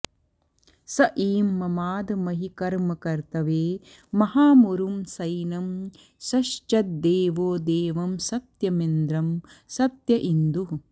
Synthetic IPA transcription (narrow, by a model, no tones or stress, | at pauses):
sɐʔiːmːɐmaːd̪ɐmɐɦikɐɾmɐkɐɾt̪ɐʋeː | mɐɦaːmuɾumsɐjnɐm | sɐʃt͡ʃɐt̪̚d̪eːʋoːd̪eːʋɐmsɐt̪jɐmend̪ɾɐm | sɐt̪jɐʔind̪u